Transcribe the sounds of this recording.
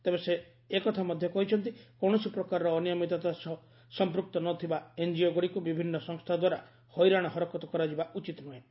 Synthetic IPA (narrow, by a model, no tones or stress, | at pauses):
t̪ebese | ekɔt̪ʰamɔd̪ʱjɔkɔɦit͡ʃʰɔnt̪̬ikɔɽ̃ɔsipɾɔkaɾɔɾɔːnijɔmit̪ɔt̪as | sɔmpɾuk̚t̪ɔnɔt̪ʰibaend͡ʒioɡoɽikubibʱinːɔsɔŋst̪ʰad̪waɾa | hɔjɾaɽ̃ɔɦɔɾɔkɔt̪ɔkɔɾad͡ʒibaʔut͡ʃit̪nuɦẽ